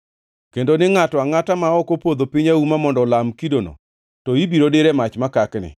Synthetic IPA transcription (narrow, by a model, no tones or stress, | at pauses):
kendonɪŋatɔaŋatamaɔkopod̪opɪɲaumamɔndɔlamkidono̰ | tɔibiɾodeɾemat͡ʃmakaknɪ̰